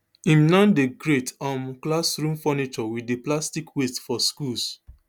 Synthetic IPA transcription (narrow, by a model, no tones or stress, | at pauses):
ĩmnɔ̃ndeɡɹetãmklasɹũmfɔnit͡ʃɔwideplastikwestfɔskuls